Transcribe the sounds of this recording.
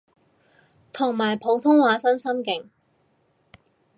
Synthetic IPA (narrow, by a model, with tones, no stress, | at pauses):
t̪ʰʊ˨˩ŋmaː˨˩jpʰo˨˧˥wt̪ʰʊ˥ŋwaː˨˧˥sɐ˥nsɐ˥mkɪ˨˥ŋ